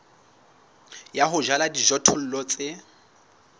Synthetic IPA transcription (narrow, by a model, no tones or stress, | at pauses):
jaɦʊʒaladiʒɔtʰʊl̩lɔt͡sʼɪ